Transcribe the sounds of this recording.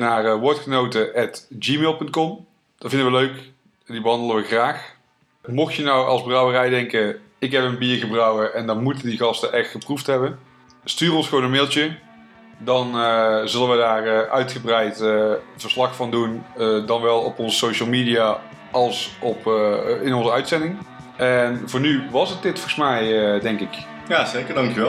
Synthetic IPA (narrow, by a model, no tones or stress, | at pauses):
naːrəʋɔɹtχənowtəʔɛtd͡ʒiːmeːlˠpɵnt̚kɔm | d̥ɑtvɪndəʋəløɥk | dibəɦɑndələʋəxraːx | mɔxjənɔwɑ̰lˠzbrɑwərɛjdɛŋkə | ɪkɦɛpənbiːɹɣəbrɑwəɹɛndɑnmutəndiɣɑstəʔɛχtχəpruftɦɛbən | styːrɔnsχəʋownənmeːlˠtə | dɑnzɵlənʋədaːrəʔœɥtχəbrɛjtətfəɹslɑxfɑndundɑnʋɛlˠɔpɔnzəsowʃəlˠmidija | ɑlˠsɔpɪnɔnzəœɥtsɛndɪŋ | ɛnvʊːnyʋɑsət̚dɪtfolɣəsmɛjədɛŋkɪk | jazejkədɑŋkjɛ